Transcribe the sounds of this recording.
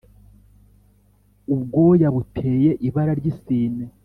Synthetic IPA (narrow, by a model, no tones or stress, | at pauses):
ubɡo̞ːjaβutʰe̞ːje̞ʔiβaɾaɾɟisiːne